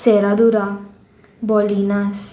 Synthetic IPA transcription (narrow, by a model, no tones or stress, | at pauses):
seɾad̪uɾa | bɔlinas